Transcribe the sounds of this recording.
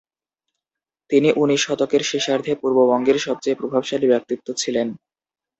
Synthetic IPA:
t̪iniʔuniʃɔt̪okeɾʃeʃaɾd̪ʱepuɾbobɔŋɡeɾʃɔb̚t͡ɕaepɾobʱabʃalibɛk̚t̪it̪ːot͡ɕʰilen

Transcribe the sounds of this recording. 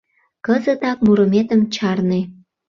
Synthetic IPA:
kəzət̪ɑk̚muɾəmet̪əmt͡ɕɑrne

